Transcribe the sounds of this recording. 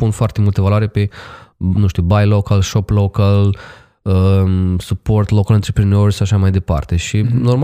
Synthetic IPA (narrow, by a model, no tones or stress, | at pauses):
punfoart̪e̞mult̪əvaloaɾepe̞nũʃt̪iubajlokalʃoplokal | əsupo̞rt̪lokalɨnt̪ɾe̞pɾeneoɾʲʃaaʃamajd̪e̞pa̰rt̪e̞ʃino̞rm